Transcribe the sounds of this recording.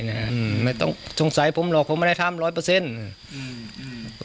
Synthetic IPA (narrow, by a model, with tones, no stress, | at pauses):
na˧˥ʔɯː˧˩ma˥˩jt̪ɔ̰˥˩ŋso˨˦ŋsa˨˦jpʰo˨˦mlɔː˨˩k̚pʰo˧˦mːa˥˧˨da˥˩jt̪ʰa˧˥˩mɾɔː˦˥jpɤː˧se˧˥˨nɯː˧˩